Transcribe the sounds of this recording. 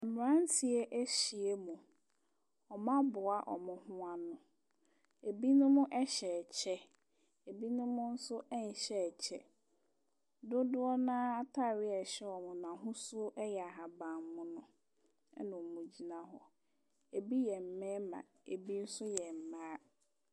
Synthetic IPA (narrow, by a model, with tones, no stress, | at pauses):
a˨m˨ã˦n˦si˨ɛ˦ʔæ˦ɕi˨e˦mũ˨ | ɔ˨mã˦bʊ˨a˦ʔɔ̰˨mʊ̃˨hʊ̃˦a˦nʊ̃˨ | e˨bi˦nʊ̃˦mʊ̃˦ʔɛ˦ɕɛ˨t͡ɕʰɛ˦ | e˨bi˦nʊ̃˦mʊ̃˦n̩˦sʊ˦ʔɛ˦n̩˨ɕɛ˨t͡ɕʰɛ˦ | dʊ˦dʊ˦ɔ˦nãː˦a˦tʰa˦˨ɾɪ˦ɛ˨ɕɛ˦ɔ˨mʊ̃˨nã˨ɦʊ̃˦sʊ˦ʔɛ˦jɛ˨a˨ɦa˨bã˨m˦mʊ̃˦nʊ̃˦ | ɛ̰˦nʊ̃˨mʊ̃˨d͡ʑi˨nã˦ɦɔ̰˨ | e˨bi˦jɛ˨m̩˨mɛ̃˦mã̰˨ | e˨bi˦n̩˦sʊ˦jɛ˨m̩˨mãː˦